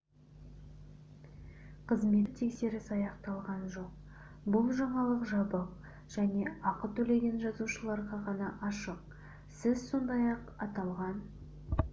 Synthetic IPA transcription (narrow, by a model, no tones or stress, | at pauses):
qʰəzme̞t̪ʰe̞kse̞ɾɪsɑjɑqt̪ɑlˠʁɑnʒo̞q̚ | bʊlˠʒɑɴɑlˠəqʒɑbəq̚ | ʒ̥æne̞ɑqət̪ʰɵle̞ɡʲe̞nʒɑzuʃəlˠɑɾʁɑʁɑnɑʔɑʃəq̚ | sɪzso̞nd̪ɑjɑqɑt̪ɑlˠʁɑn